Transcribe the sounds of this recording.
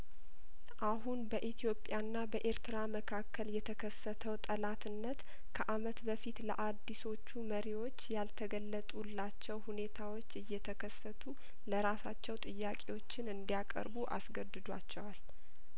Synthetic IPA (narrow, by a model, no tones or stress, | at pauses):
ʔaɦunbəʔit̪ʰjo̞pʼjanːabəʔe̞ɾt̪ɨɾaməkʰakʰːəljɛt̪ʰəkʰəsːət̪ʰəwt̪ʼəlat̪ʰɨnːət̪ | kʰəʔamət̪bəfit̪lə̰ʔad̪ːiso̞t͡ʃːuməɾiwo̞t͡ʃːjalt̪ʰəɡəlːət̪ʼulːat͡ʃːɛwhune̞t̪ʰawo̞t͡ʃːɨjːɛt̪ʰəkʰəsːət̪ʰu | ləɾasat͡ʃːɛwt̪ʼɨjːakʼewot͡ʃːɪnɨnd̪ijakʼə̰ɾbuʔa̰sɡəd̪ɨd̪wa̰t͡ʃːɛwal